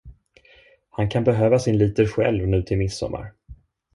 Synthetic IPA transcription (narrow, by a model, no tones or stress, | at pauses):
hankʰanbɛɦøːvasɪnliːt̪əɾɧɛ̰lvnʉ̟ːt̪ʰɪlmɪsːɔ̰mːa̰ɾ